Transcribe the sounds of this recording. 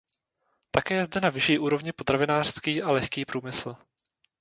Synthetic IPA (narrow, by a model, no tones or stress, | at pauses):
t̪akɛːjɛzdɛnavɪʃiːʔuːɾo̞vɲɪpo̞t̪ɾavɪnaːr̥skiːʔalɛxkiːpɾuːmɪsl̩